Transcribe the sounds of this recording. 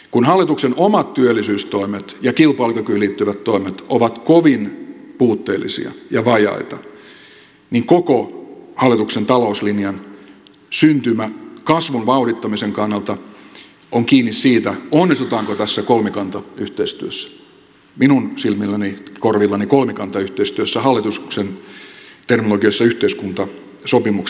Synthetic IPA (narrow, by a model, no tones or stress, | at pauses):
kunhɑlːˑit̪uksenomɑt̪t̪yølːˑisyːst̪oimet̪jɑkilpɑːlukykyliːt̪ːyʋæt̪toimet̪oʋɑt̪koʋinpuːt̪ːeːlːˑḭsḭɑ̰jɑʋɑjɑ̰it̪ɑ | niŋkokohɑlːˑit̪uksent̪ɑlouslinjɑn | synt̪ymækɑsʋunʋɑurit̪ːɑmiseŋkɑnːɑlt̪ɑ | oŋkiːnːissiːt̪æonːist̪ut̪ɑːŋkot̪æsːækolmikɑnt̪ɑyht̪eist̪yøsːæ̥ | minunsilmilːænikorʋilːɑnikolmikɑnt̪ɑyht̪eist̪yøsːæhɑlːˑit̪usksent̪ernoloɡiɑsːɑyht̪eiskunt̪ɑ | sopimuk